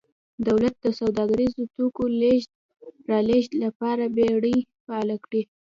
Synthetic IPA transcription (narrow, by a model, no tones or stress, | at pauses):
d̪awlat̪̚d̪əsawd̪ɑɡaɾizot̪okoleʒd̪̚ | ɾɑleʒd̪lapɑɾabeɽəjfaalakɽi